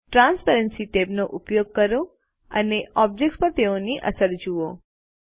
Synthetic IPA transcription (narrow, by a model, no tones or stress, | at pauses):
ʈɾãnspəɾənsit̪ebnoʔupjoɡ̚kəɾo | ə̰neʔɔb̚d͡ʒek̚ʈspəɾt̪eoniʔə̰səɾd͡ʒuo